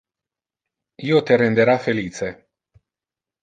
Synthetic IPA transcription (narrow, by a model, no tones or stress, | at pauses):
jeot̪eɾind̪eɾafelit͡ʃe